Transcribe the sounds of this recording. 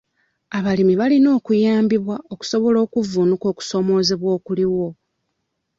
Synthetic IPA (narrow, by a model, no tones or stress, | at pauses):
aβalimiβalino̞ːkujaːmbiβwaoku̥so̞βo̞lo̞ːkuvunuko̞ːku̥so̞mo̞ːzeβwo̞ːkuliwo̞